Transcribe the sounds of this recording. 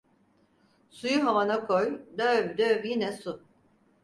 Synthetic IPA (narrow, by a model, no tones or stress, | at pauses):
sujuɦavanakʰojd̪øvd̪øvjinɛsu